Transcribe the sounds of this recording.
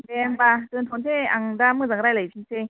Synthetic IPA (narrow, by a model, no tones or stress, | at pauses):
ɛmbatɯnt̪ʰont̪ʰeaŋdaːmɯːzaŋɾajlapʰiŋsʰe